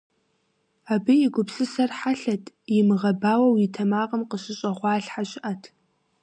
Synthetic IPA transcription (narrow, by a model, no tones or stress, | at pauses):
aːbɨjɪɡʷʊpsɨsɐrħaɬɐtʰ | jɪmɨʁɐbaːwɐwjɪtʰɐmaːʁɐmqəɕɪɕʼɐʁʷɑːɬħaɕʼɪʔɐtʰ